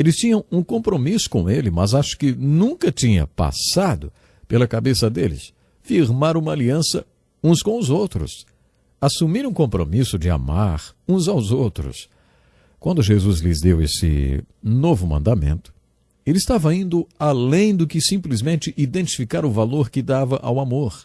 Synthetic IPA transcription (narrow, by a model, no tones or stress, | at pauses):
elɪst͡ʃĩɲɐ̃w̃ũkõmpɾomisʊ̥kõelɪmɐzaʃʊ̥kɪnũkɐt͡ʃĩɲɐ̰pa̰sad̪ʊ | pelɐkabesɐd̪elɪ̰s | fiɾmaɾũmɐaliɐ̃sɐ̰ | ũskõw̃ʊzowt̪ɾʊ̰s | asumiɾũkõmpɾo̰misʊd͡ʒɪa̰maɾũzawzowt̪ɾʊ̰s | kwɐ̃nd̪ʊʒezuzlɪzd̪ewesɪ̰novʊmɐ̰̃nd̪amḛ̃nt̪ʊ̥ | elɪst̪avɐĩnd̪ʊalẽj̃d̪ʊkɪsĩmplizmẽnt͡ʃɪʔid̪ẽnt͡ʃifikaɾʊvaloɾkɪd̪avɐʔa̰wamoɾ